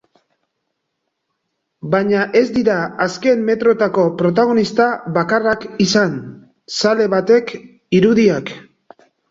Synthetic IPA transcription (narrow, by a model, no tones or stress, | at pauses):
baɲaʔe̞zd̪iɾaaske̞mme̞t̪ɾo̞t̪ako̞pɾo̞t̪̬aɣ̞o̞nist̪aβakarakisan | sale̞βat̪e̞k | iɾuðiak